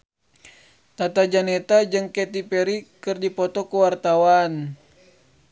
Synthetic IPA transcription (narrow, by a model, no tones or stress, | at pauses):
t̪at̪ad͡ʒanɛt̪ad͡ʒɨŋkɛt̪ipɛɾikɨrdipɔt̪ɔkuwart̪awan